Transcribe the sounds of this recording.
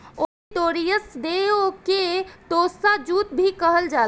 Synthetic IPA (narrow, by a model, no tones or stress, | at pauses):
oiʈ̪oɾijəsd̪eoket̪osad͡ʒut̪̚bʱikəɦəld͡ʒa